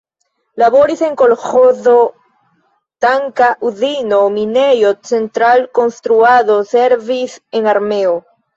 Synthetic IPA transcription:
laβo̞ɾise̞ŋko̞lxozo̞ | t̪aŋkaʔuðino̞minejot͡se̞nt̪ɾalko̞nst̪ɾuaðo̞seɾvise̞ŋaɾmeo

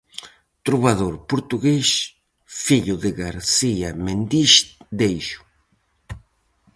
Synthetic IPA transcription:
t̪ɾuβaðoɾpuɾt̪uɣeʃ | fiʎʊðɪɣaɾsiamend̪iʃd̪ejʃu̥

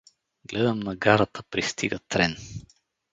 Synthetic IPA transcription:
ɡlɛd̪əmnɐɡaɾət̪əpɾist̪iɡət̪ɾɛn

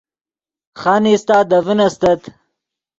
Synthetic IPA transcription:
χanist̪aːd̪ɐvinɐst̪ɐt̪

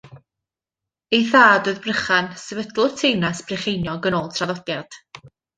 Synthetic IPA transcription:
ejθaːdɨðbrəχansɛvədlˠʊrtʰejnasb̥rɪχejnjɔɡənoːlˠtʰraðɔdjad̥

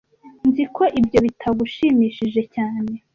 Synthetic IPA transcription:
nzikʰo̞ʔibjo̞βitʰaɡuʃiːmiːʃiʒe̞caːne̞

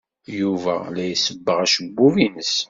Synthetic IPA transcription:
juvælæjəsəbːəʁæʃəbːuvinəs

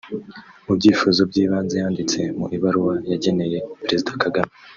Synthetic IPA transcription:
ubɟiːfuzo̞b̚ɟiːβaːnzejaːndit͡se̞muʔiβaɾuwajaɟe̞ne̞je̞peɾe̞zidakaɡami

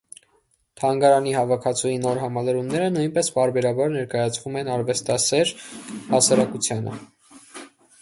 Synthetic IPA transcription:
t̪ʰɑŋɡɑɾɑnihɑvɑkʰɑt͡sʰujinɔɾɦɑmɑləɾumnɛɾənujnpɛspɑɾbɛɾɑbɑɾnɛɾkɑjɑt͡sʰvumɛnɑɾvɛst̪ɑsɛɾhɑsɑɾɑkut͡sʰjɑnə̰

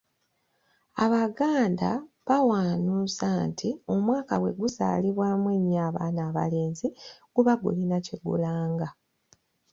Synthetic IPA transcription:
aβaɡaːnda | βawaːnuːsaːntʰio̞mwaːkawe̞̰ɡuza̰ːliβwaːmweːɲːaːβaːnaːβa̰le̞ːnziɡ̥uβaɡṵlinaciɡṵlaːŋɡa

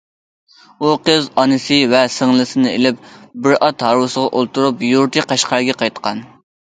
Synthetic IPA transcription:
uqʰəzɑnɨsɨvɛsɪŋlˠɨsɨnɨelɪp̚bɪɾʔɑt̪ɦɑɾwɨsəʁɑʔolˠt̪uɾupjuɾt̪ʰɨqɑʃqʰɑɾɡʲɛqʰɑjt̪qɑn

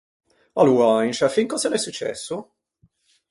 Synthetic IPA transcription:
aluajnʃafiŋkɔzalɛsːut͡ʃːɛ̰sːu

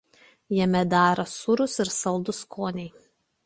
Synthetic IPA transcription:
jɛmʲɛd̪ɑːɾɐsʊɾʊsɪɾsɐlˠd̪ʊskʰoːnʲɛɪ

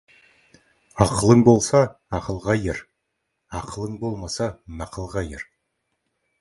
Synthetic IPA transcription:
ɑqəlˠəɴbo̞lˠsɑ | ɑqəlˠʁɑjeɾ | ɑqəlˠəɴbolˠmɑsɑmɑqəlˠʁɑjɪɾ

